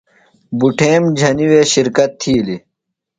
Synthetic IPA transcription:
buʈʰeːmd͡ʑʱɐniweːɕiɾkɐt̪ʰːiːli

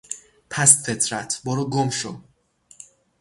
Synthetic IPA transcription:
pʰæsfet̪ʰɾæt̪ʰbɒːɾuɡomʃo̰

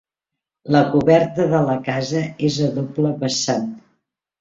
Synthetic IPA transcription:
ləkuβɛɾt̪əðələkazəezəðopləβəsan

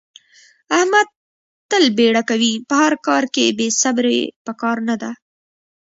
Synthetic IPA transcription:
ahmad̪̚ | t̪əlbeɽakawipəhaɾkɑɾkebesabɾḛpəkɑɾnad̪a

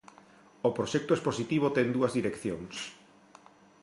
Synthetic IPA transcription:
opɾoʃɛk̚t̪oesposit̪iβ̞ot̪ɛŋd̪uɐzðiɾekθjoŋs

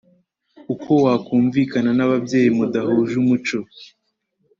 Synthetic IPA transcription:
ukʰo̞wakuːɱviːkananaβabje̞ːjimudaɦoːʒumut͡ʃo

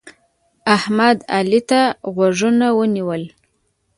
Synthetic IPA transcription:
ahmad̪alit̪aɣwaʐunawəniwəl

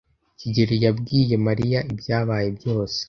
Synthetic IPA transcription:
ciɟeɾijabɡiːje̞maɾijaʔibjaːβaːje̞bjo̞ːse̥

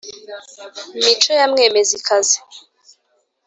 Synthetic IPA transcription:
mitʰɔjam̩ŋɛmezikʰazi

